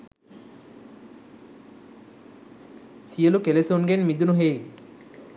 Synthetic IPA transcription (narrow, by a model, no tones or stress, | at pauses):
sijəlukelesonɡenmid̪unuɦej